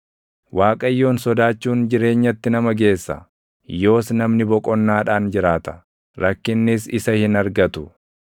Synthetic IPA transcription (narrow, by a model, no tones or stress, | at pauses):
wʔaːkʼɐjːo̞ːnsɔd̪aːt͡ʃːuːnd͡ʒɪɾe̞ːɲːɐt̪ːɪnɐmɐɡe̞ːsːɐ̰ | jo̞ːsnɐmnɪbɔkʼɔnːaːᶑaːnd͡ʒɪɾaːt̪ɐ̥ | ɾʔɐkːɪnːɪsɪsɐhɪnɐɾɡɐt̪ʊ